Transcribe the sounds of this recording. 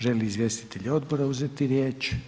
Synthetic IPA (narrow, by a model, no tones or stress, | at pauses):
ʒeliːzʋjest̪i̥t̪eʎo̞d̪boɾauzet̪iɾjeːt͡ʃ